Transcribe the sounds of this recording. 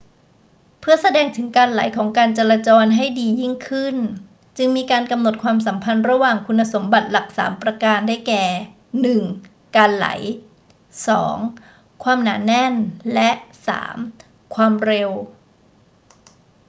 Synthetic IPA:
pʰɯ˥˩ɐsa˧dɛː˧ŋt̪ʰɯ˩˦ŋkaː˧nla̰˩˦jkʰɔː˩˦ŋkaː˧nt͡ɕaː˧laː˧t͡ɕɔː˧nɦa˥˩jdiː˧ji˥˩ŋkʰɯ˥˩n | t͡ɕɯ˧ŋmiː˧kaː˧nka˧mno˨˩t̪̚kʰwaː˧msa˩˦mpʰa˧nɾa˧waː˨˩ŋkʰu˧nːa˧so˩˦mba˨˩t̪̚la˨˩k̚sa̰ː˩˦mpɾa˧kaː˧nda˥˩jkɛː˨˩ | nɯ˨˩ŋ | kaː˧nla̰˩˦j | sɔ̰ː˩˦ŋ | kʰwaː˧mnaː˩˦nɛ˧˥˩nlɛ˦˥ʔsa̰ː˩˦m | kʰwaː˧mɾe˧w

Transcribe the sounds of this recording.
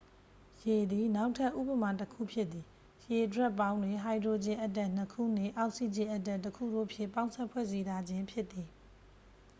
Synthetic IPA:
je˨d̪i˨na˦ʊʔtʰa˦ʔːṵ˦bə˨ma˨təkʰṵ˦˨pʰjɪ˦t̪t̪ːi˨ | je˨dwɛ˦ʔpːã˦ʊ̃ndwɪ̃˨ɦa˨ɪdo˨d͡ʑɪ̃˦ʔə˦tɛ˦˨n̥əkʰṵ˦˨n̥ɪ̰̃˦˨ʔa˨ʊʔsi˦˨d͡ʑɪ̃˦˨ʔə˦t̬ɛ˦˨tːəkʰṵ˦˨do̰˦˨pʰjɪ̰̃˦˨pã˦ʊ̃saɛ˦˨pʰwɛ̰˦˨zi˦ɾʰa˦d͡ʑɪ̃˦mpʰjɪ˦ʔt̪ːi˨

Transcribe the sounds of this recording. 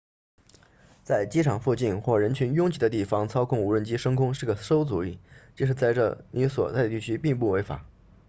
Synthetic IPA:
t͡sa˥˩ɪt͡ɕi˥ʈ͡ʂʰɑ˨˩ŋfu˥˧t͡ɕi˥˧nxwɔ˥˩ɻə˧˥nt͡ɕʰy˧˥njʊ˥ŋt͡ɕi˧˩d̪ə˦t̪̬i˥˩fɑ˥ŋt͡sʰɑ˥ʊkʰʊ˥˩ŋu˧˥ɻə˥˩nt͡ɕi˥ʂɤ˥ŋkʰʊ˥ŋʂɻ̩˥˩ɡə˩ʂo˥ʊt͡su˧˥i˥˩t͡ɕʂ̬ɻ̩˧t͡sa˥˧ɪʈ͡ʂɤ̰˥˩ni˧˥swɔ̰˨˩t͡sa˥˩ɪd̪ə˩t̪i˥˩t͡ɕʰy˥pi˥˧ŋpu˥˩we˧˥ɪfa̰˨˩˦

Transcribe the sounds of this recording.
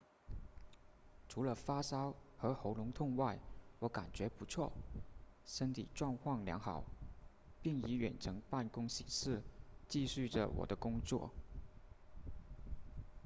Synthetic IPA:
ʈ͡ʂʰu˧˥lə˧fa˥sɑ˥ʊxɤ˧˥xo˧˥ʊlʊ˧˥ŋt̪ʰʊ˥˧ŋwa˥˩ɪwɔ˧˥ka˨˩nt͡ɕɥɛ˧˥pu˧˥t͡sʰwɔ˥˩ | ʂə˥nt̪ʰḭ˨˩ʈ͡ʂwɑ˥˧ŋkʰwɑ˥˩ŋljɑ̰˧˥ŋxɑ˨˩˦ʊ | pi˥˩ŋi˧˥ɥɛ˨˩nʈ͡ʂʰɤ˧˥ŋpa˥˩nkʊ˥ŋɕi˨˥˦ʂɻ̩˥˩t͡ɕi˥˧ɕy˥˩ʈ͡ʂə̰˩wɔ̰˨˩d̪ə˦kʊ˥ŋt͡swɔ̰˥˩

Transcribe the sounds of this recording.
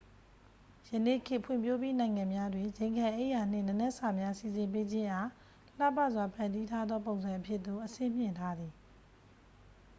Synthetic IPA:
jənḛ˦˨kʰɪ˦˨pʰwɪ̰̃˦˨mpʰjo˦pji˦nã˨ɪ̃ŋã˨mja˦dwẽ˨d͡ʑẽ˨ɪ̃ŋkʰã˨ʔe˦ʔja˨n̥ɪ̰̃˦˨nə˨nɛ˦ʔəsa˨mja˦si˨zɪ̃˨mpe˦d͡ʑɪ̃˦ʔa˨ | l̥a̰˦˨pa˦ʔzwa˨pʰã˨ndi˦tʰa˦d̪ðɔ˦põ˨ʊ̃nzã˨ʔəpʰjɪ˦ʔt̪ːo˨ʔəsɪ̰̃˦˨m̥jɪ̰̃˦˨ntʰa˦d̪ði˨

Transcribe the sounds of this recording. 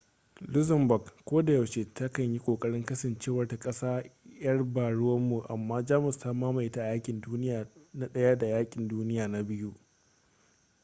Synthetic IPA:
lʊ˦zɐ˨mbɔ˨ɡkʷːoː˦da˨jɐ˨wʃeː˨ta˦kɐ˨ɲji˦kʷʼoː˨kʼɐ˦ɽɪ˦ŋkɐ˦sɐ˨nt͡ʃeː˦wɐ˨rta˨kʼɐ˦saː˦jɐ˦rbaː˨ɽʊ˦wɐ˦mːu˨ʔa˨mːaː˦d͡ʒaː˦mɪ˨staː˦maː˦ma˨ʔɪ˦ta˦ʔa˨jaː˦kʲʼɪ˨nduː˦nɪ˦jaː˨na˦ɗɐ˦ja˦da˨jaː˦kʲʼɪ˨nduː˦nɪ˦jaː˨na˦bɪ˦ju˦ʔ

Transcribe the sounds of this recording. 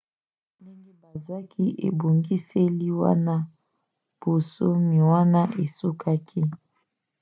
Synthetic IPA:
ndi˦ŋɡe˦ba˨zwa˦ki˦ʔḛ˨bo˨ŋɡi˦se˦li˦wa̰˦na˦ | b̥o˨so˦mi˨wa˦na˦ʔe˨su˦kʰa˦kʰi˦

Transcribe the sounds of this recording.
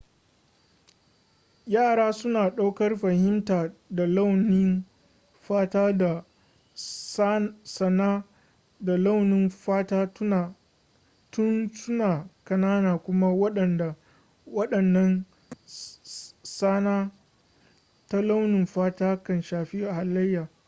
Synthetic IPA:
jaː˦˨ɽaː˦sʊ˦naː˨ɗa˦wkɐ˦rɸɐ˨hɪ˦mtaː˨da˨la˦wnɪ˦n | ɸaː˦taː˦da˨ | sɐ˨naː˦ | da˨la˦wnɪ˦nɸaː˦taː˦˨ | tʊ˦nsʊ˦naː˨kɐ˨naː˦naː˨kʷʊ˦ma˦wɐ˦ɗɐ˨nda˨ | wɐ˦ɗɐ˨nːɐ˦n | saː˦naː˦ | ta˦la˦wnɪ˨mɸaː˦taː˦kɐ˦nʃaː˨ɸiː˦ʔa˨ha˨lːɐ˦jːaː˨

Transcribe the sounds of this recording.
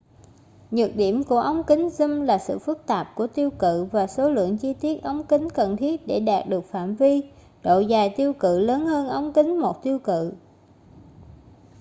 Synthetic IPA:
ɲɨ˨˩t̚ɗi˧˩əmku˧˩əʔə˧wŋ͡mkï˨˦ŋ̟zɨ˧mlaː˨˩sɨ̰˧˨fɨ˦˥k̚t̪aː˨˩p̚ku˧˩ət̪i˧əwkɨ̰˧˨vaː˨˩so˨˦lɨ̰˧˨əŋt͡ɕi˧t̪i˦˥ət̚ʔə˧wŋ͡mki˨˦ŋ̟kə˨˩nt̪ʰi˦˥ət̚ɗe˧˩ɗaː˨˩t̚ɗɨ˨˩ək̚fa̰ː˧˨mvi˧ | ɗo̰˧˨zaː˨˩jt̪i˧əwkɨ̰˧˨ləː˨˦nhəː˧nʔə˧wŋ͡mki˨˦ŋ̟mo˨˩t̚t̪i˧əwkɨ̰˧˨

